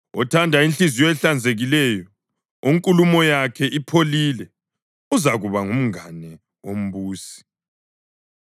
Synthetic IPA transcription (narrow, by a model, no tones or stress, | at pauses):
ɔ̰tʰandʱainɬizijɔɛɬand͡zʱeɣilɛjɔ | uŋkʼulumɔjakʰɛʔipʰolilɛ | uzaɣuβaŋum̩ŋanɛ | om̩βuːsi̥